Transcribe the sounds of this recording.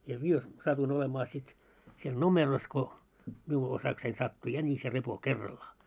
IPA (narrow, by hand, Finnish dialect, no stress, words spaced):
jɑ mie sɑtuin olemɑː sit siel nomeros ko miu osɑksein sɑtːu jænis jɑ repo kerːɑlːɑː